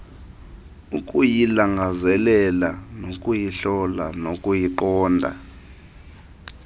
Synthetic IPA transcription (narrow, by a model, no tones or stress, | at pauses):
ukʼujilaŋɡʱazɛlɛlanokʼujiɬɔla̰nokʼujiǃɔːndʱa̰